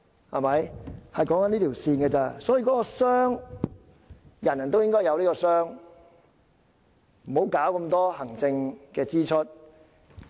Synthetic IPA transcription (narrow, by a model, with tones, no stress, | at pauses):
hɐ̰˨˩mɐ˨˥jhɐ˨jkɔː˨˥ŋkɐ˨˥niː˥t̪iː˨˩wsiː˧nɡɛ˧t͡saː˧sɔː˨˥jiː˨˧kɔː˨˥kɔː˧sœː˥ŋ | jɐ˨˩njɐ˨nt̪o˥wjɪ˥ŋkɔː˥jɐ˨˧wniː˥kɔː˧sœː˥ŋ | m̩˨˩ho˨˥wkaː˨˥wkɐ˧mt̪ɔː˥hɐ˨˩ŋt͡sɪ˧ŋkɛː˧t͡siː˥t͡ʃʰə˥t̚